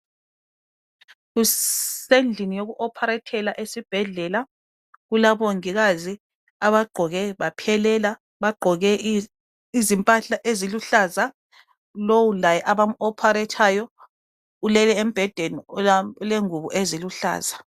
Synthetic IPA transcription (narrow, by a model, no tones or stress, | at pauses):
ɣusend͡ɮʱinijoɣuʔɔpʰaɾɛtʰɛlaʔesib̥ʱɛɮɛla | ɣulaβoŋiɣazi | aβaɡ͡ǃʱɔɣɛβapʰɛlɛla | βaɡ͡ǃʱɔɣɛ | izimpʼaɬaʔeziluɬaza | lowulajɛʔaβamuɔpʰaɾɛtʰajɔ | ulɛlɛem̩b̥ʱɛd̥ʱenileŋuβuʔeziluɬa̰ːza